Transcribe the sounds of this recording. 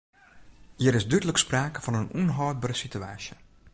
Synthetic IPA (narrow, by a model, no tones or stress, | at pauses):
hiəɾɪsdydələkspraːkəfɔnənunɦɔːt̚bərəsitya̰ːsjə